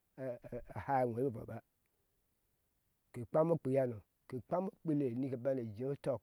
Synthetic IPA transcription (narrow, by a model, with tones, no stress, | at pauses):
ha˦˨we˨˦e˦˨vo̰˨ba˦ | ke˨k͡pa˦mo˦k͡pe˨ja˦no˨ | ke˨k͡pa˦mo˦k͡pe˦le˨ni˦ke˨ba˦ne˨d͡ʒe˨˦o˦to˦˨k̚